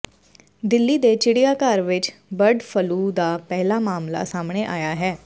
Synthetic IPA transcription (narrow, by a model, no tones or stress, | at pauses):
d̪ɪlːiːd̪eːt͡ʃɪɽijaːkaɾʋɪt͡ʃbəɾɖpʰəluːd̪aːpɛːlaːmaːmla̰ːsaːmɳeːʔaːjaːɦɛː